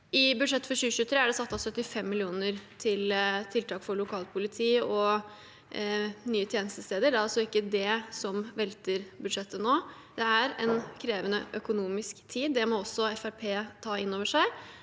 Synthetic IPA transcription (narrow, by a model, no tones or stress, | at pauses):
ɪbʉd̪ʂɛt̪ːfɔɾɕʉːəçʉːt̪ʰɾeːæɖɛsɑt̪ːɑsœt̪ːɪfɛmːɪlɪuːnəɾt̪ʰɪlt̪ʰɪlt̪ʰɑːkfɔɭʊkʰɑːlt̪pʰʊlɪt̪ʰiːɔ | nyːət̪ʰjeːnəst̪əst̪eːd̪əɖæɾɑlsɔɪkːəd̪ɛsɔmʋɛlt̪əɾbʉd̪ʂɛt̪ːənoː | d̪̥ɛæɾɛnkʰɾeːʋənəʔœkʊnuːmɪskt̪ʰiːd̪ːɛmɔɔsːɔɛfæɾpʰeːt̪ʰɑːɪnːoːʋəʂæɪ